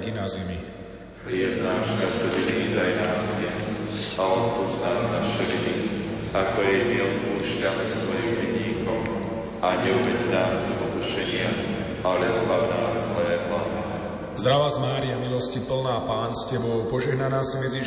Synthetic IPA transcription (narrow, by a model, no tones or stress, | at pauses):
kinazimi | ɦlɪɛvnaːʃt̪akt̪ɔd̪iviːd̪ajnaːkɔɲɛsalɔt̪pɔznaːmnaʃɛliliakɔjɛmiɔt̪puːʃcamisʋɔjiubɛdɲiːkɔʊ | aɲɛubɛcd̪aːzipɔkuʃɛɲɪa | alazbad̪naːsɔjɛplad̪iɛ | zd̪ɾaʋazmaːɾiamilɔscipl̩naːpaːnscɛbɔʊpɔʒɛɦnanaːsimɛd͡zi